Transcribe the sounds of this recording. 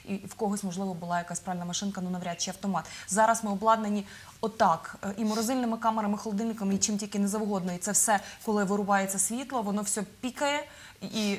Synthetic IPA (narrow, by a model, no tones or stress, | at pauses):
iwkɔɦɔsʲmɔʒlˠɪʋɔbʊlˠɑjɐkasʲpɾɑʋʲɪlʲnɐmɐʃɪnkɐnunɐʋɾʲat̪ʃʲɛɐwt̪ɔmɑt̪zɑɾɐsmɪɔblˠɑd̪nɐnʲi | ɔt̪ɑkʔimɔɾɔzɪlʲnɪmɪkɑmeɾɐmɪxɔlˠɔd̪ɪlʲnɪkɐmit͡ʃɪmtʲilʲkɪnɛzɐwɦɔd̪nɔit̪sɛwsɛkɔlˠɪʋɪɾʊbɑjet͡sʲːɐsʲʋʲit̪lˠɔʋɔnɔwsʲɔpʲikɐjɛ | i